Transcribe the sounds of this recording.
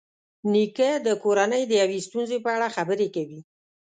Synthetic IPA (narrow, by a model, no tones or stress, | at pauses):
nikəd̪əkoɾanəjd̪əjawest̪unzepəaɽaxabəɾekawi